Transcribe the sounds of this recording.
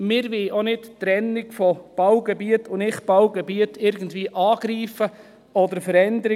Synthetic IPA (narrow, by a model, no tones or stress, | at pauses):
mɪɾʋɪʔonɪtt̪ɾɛnːɪɡfɔb̥ɑwɡɛbiətʊnɪχb̥ɑwɡɛbiətɪɾɡən̩dviːəʔɑːɡɾiːfə | ɔd̪əɾfəɾɛndəɾɪ